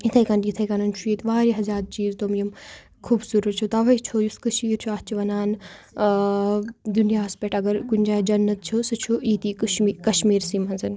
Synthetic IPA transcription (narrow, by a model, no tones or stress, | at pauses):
it̪ʰɐjkɐnjit̪ʰɐjkanɐnt͡ʃʰuet̪ʰʋaːɾiɦɐzaːɾ̚t͡ʃiːzt̪omjim | kʰuːbsuɾuɾt͡ʃʰot̪ɐʋɐt͡ʃʰojuskɐʃiːɾt͡ʃʰuat̪t͡ʃʰiʋɐnaːn | d̪unijaːɐspʲeʈɐɡɐɾkunʲd͡ʒaːjd͡ʒɐnːɐt̪̚t͡ʃʰosɨt͡ʃʰoiːt̪iikɐʃmiːɾsiːmɦɐnzɐn